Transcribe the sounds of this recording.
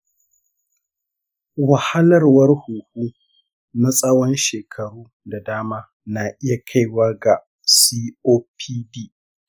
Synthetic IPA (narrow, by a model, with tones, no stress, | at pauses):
wɐ˨ha˦lɐ˦˨rwɐ˦rhuː˨huː˦ | na˦sʼɐ˦wɔ˦nʃeː˨kʰɐ˨ɽuː˦ | da˨daː˦maː˦ | na˨ʔɪ˦ja˨kʰa˦˨jwaː˦ɡa˨ | siː˦oː˦pʰiː˦diː˦